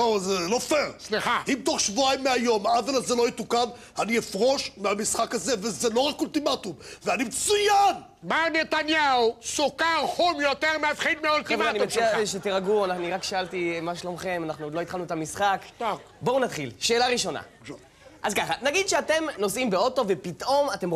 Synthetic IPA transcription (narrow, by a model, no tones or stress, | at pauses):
ozelofeʁsliχaimt̪o̞χʃvuaimːeajo̞mavalazelojit̪ukam | aniefʁo̞ʃmeamisχakazevezelo̞ʁakult̪imat̪umveanimet͡sujan | manet̪anjausokaʁhomjot̪eʁmeafχilmeolt̪maanit͡siaʃet̪iʁaɡuanaχnuiʁakʃaalt̪imaʃlomχe̞manaχnulo̞it̪χalnuet̪amisχak̪a | bounat̪χilʃe̞ːlaʁiʃo̞na̰ | ʔazkaχanaɡid̪ʃeate̞mno̞simbeo̞to̞ve̞pit̪ʔo̞mate̞m